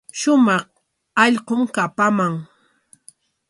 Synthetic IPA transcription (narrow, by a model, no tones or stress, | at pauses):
ʃʊmɑχ | ɑʎqomkapamaŋ